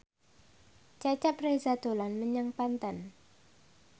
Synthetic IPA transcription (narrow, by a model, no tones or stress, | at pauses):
t͡ʃat͡ʃaprezad̪̥olanməɲaŋpant̪ən